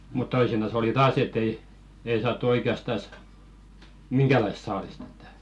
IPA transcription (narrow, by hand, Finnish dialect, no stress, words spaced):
mut toisinɑs oli tɑːs et ei ei sɑːtːu oikeɑstɑs miŋɡ̊ælɑist̆ sɑːlist e̥tːæ̥